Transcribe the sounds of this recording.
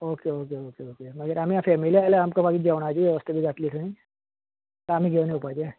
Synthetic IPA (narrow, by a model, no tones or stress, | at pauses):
okeokeokeokeməɡəɾam̤ijãfɛmiliajleamkabaɡid͡ʑeʋɽ̃at͡ɕiɛʋəst̪ebʱiɡat̪liːtʰəni | t̪əam̤iɡʱeʋniupajd͡ʑe